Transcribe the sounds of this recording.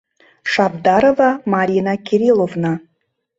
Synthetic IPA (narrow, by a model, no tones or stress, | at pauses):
ʂabd̪aɾovamaɾʲinakʲʰeɾʲilˠovna